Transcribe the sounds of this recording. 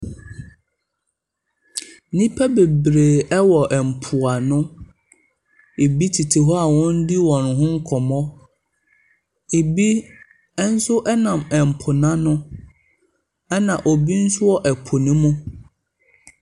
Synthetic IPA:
nĩ˦pʰa˦be˨bɾeː˨ɛ˦wɔ˨ʔɛ˨m̩˨pʰʊ˨a˨nʊ̃˦ | e˨bi˦tʰi˨tʰi˨ɦɔ˦a˨wɔ̃˦n̩˦di˦wɔ̃˨n˨ɦʊ̃˦ŋ̩˦kʰɔ˨mɔ˦ | e˨bi˦ | ɛ˦n̩˦sʊ˦ʔɛ˦nã˨mɛ˨m̩˨pʰʊ˨nã˦nʊ̃˦ | ɛ˦nã˨ʔo˨bi˦n̩˦sʊ˦ɔ˦ʔɛ˨pʰo˨nĩ˦mũ˦

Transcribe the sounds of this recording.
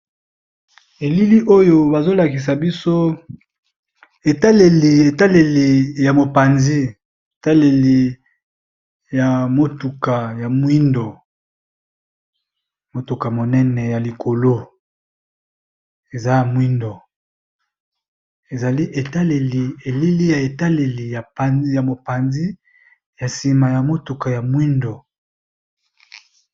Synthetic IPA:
e˨li˦li˦ʔo˦jo˨ba˨zo˦la˨ki˨s̬a˨bi˦so˦ | e˨ta˦le˨li˨e˨ta˦le˨li˨ja˨mo˨pa˨nzi˦ | e˨ta˦le˨li˨ | ja˨mo˨tu˨ka˨ja˨mwi˦ndo˨ | mo˨tu˨ka˨mo˨nɛ˦nɛ˨ja˨li˨kʰo˨lo˦ | e˨za˦ja˨mwi˦ndo˨ | e˨za˨li˦ʔe˨ta˦le˨li˨e˨li˦li˦ja˨e˨ta˦le˨li˨ja˨a˨˦ja˨mo˨pa˨nzi˦ | ja˨si˨ma˨ja˨mo˦tu˨ka˨ja˨mwi˦ndo˨

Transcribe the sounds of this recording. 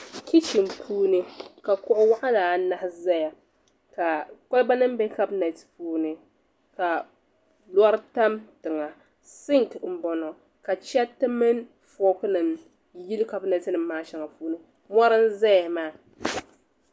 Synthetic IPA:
kʲi˦t͡ʃi˨mpʰuː˦nɨ˦ka˨kʊ˦ʔʊ˦wa˦ʔa˦laː˨˦na˦hɪ˦za˦ja˨ | ka˨ka˦lba˦nɨ˦m˦bɛ˦ka˦bna˨tpuː˦nɨ˨ | ka˨ | lwa˦ɾta˦mtɨ˨ŋa˨ | sɪ˦ŋtm̩˨bɔ˨nɔ˨ | ka˨t͡ʃɛ˦tɨ˦mɨ˦n | fɔ˦kɨ˦nɨ˨m | ji˦lka˦bna˨tɨ˦nɨ˨mː˦aː˦ʃɛ˨ŋa˨puː˦nɨ˦ | ma˦ɾɨ˦n˦za˦ja˨maː˦˨

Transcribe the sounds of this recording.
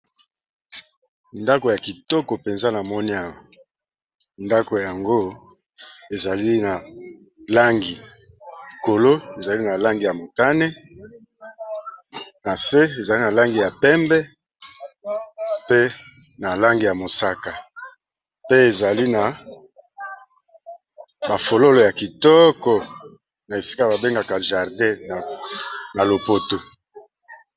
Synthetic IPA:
nda˦ko˨ja˨ki˨tɔ˦kɔ˨pe˨nza˦na˨mɔ˦ni˦a˦˨wa˨ | nda˦ko˨a˨ŋɡo˦ | e˨za˨li˦na˨ | la˦ŋɡi˨ | ko˨lo˦e˨za˨li˦na˨la˦ŋɡi˨ja˨mo˨ta˦ne˦ | na˨se˦e˨za˨li˦na˨la˦ŋɡi˨ja˨pɛ˦mbɛ˦ | pe˦ | na˨la˦ŋɡi˨ja˨mo˨sa˦ka˨ | pe˦e˨za˨li˦na˨ | ba˨fo˨lo˦lo˨ja˨ki˨tɔ˦kɔ˨ | na˨e˨si̥˦ka˦˨ba˨be˦ŋɡa˨ka˨ʒa˨ʁdɛ˦˨na˨lo˨po˨to˨

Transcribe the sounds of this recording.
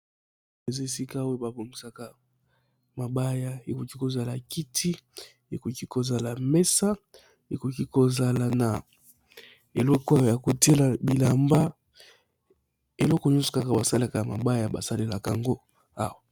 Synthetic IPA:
e˨ze˦si˦ka˦we˦ba˨bo˨ŋɡi˨sa˨ka˨ | ma˨ba˦ja˦e˨ko˨ki˦ko˨za˨la˨ki˦tʰi˦ | e˨ko˨ki˦ko˨za˨la˨mɛ˦sa˦ | e˨ko˨ki˦ko˨za˦la˨na˨ | e˨lɔ˦ko˦˨ja˨ko˨te˦la˨bi˨la˨mba˦ | e˨lɔ˦ko˨ɲɔ˦so̥˨ka˦ka˨ba˨sa˦le˦a˨ka˨ma̰˨ba˦ja˨ba̰˨sa˦le˨la˨ka̰˨ŋɡo˦ | a̰˦wa˨

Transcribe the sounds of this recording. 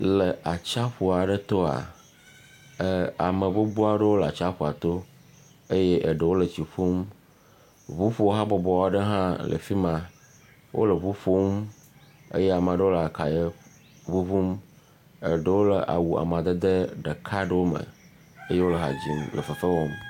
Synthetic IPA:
lə˨ʔa˨t͡ʃa˦ɸu˨a˨ɖə˦t̪ɔ˦a̰˨˦˨ | a˨mə˨bo˦bu˦a˨ɖə˦wo˦lə˨a̰˨t͡ʃa˦ɸu˨a̰˨t̪o˦ | e˦je˦ʔə˨ɖə˨wo˦lə˨t͡ɕi˨ɸu˦m | βu˦ɸu˦ɦã˦bɔ˨bɔ˨wa˨ɖə˦ɦã˦lʔə̰˨fi˦mã˨ | wʔo̰˦lə˨βu˦fo˦m | ḛ˦je˦a˨mə˨a˨ɖə˦wo˦lə˨a˨ka˨je˦ | βu˦vu˦m | ə˨ɖə˨wo˦lə˨ʔa̰˨wu˨a̰˨m˨a˨d̪ə˦d̪ə˦ɖə˨kʰa˦ɖə˦wo˦mə̰̃˨ | e˦je˦wo˦lə˨ɦa̰˨d͡ʑi˨nlə̰˨fə˨fə˦wo˦m

